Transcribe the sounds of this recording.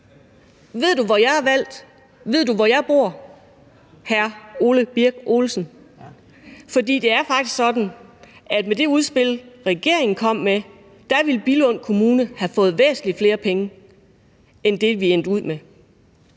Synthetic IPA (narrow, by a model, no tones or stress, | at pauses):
ʋe̝ð̰ˠd̥uʋɒjɑ̈ɪhɑ̈ʋæl̰d̥ | ʋe̝ð̞̰ˠd̥uʋɒjɑ̈ɪb̥o̝ɐ̰ | hæɐo̝ːləb̥iɐɡ̥ʔo̝ːlsn̩ | fɒ̽dḭːd̥e̝æɐfɑ̈ɡ̥̚isɡ̥sɒ̽d̥n̩æd̥med̥e̝uð̞ˠsb̥e̝lʁɛɡ̥e̝ɐ̰e̝ŋn̩kʰɒ̽m̰ːme | d̥æʋilb̥ilɔ̽n̰kʰo̝muːnəhæfɔ̽ːð̩ˠʋḛːsn̩lifle̝ːɐpʰeŋə | end̥e̝ʋien̰d̥uð̞̰ˠme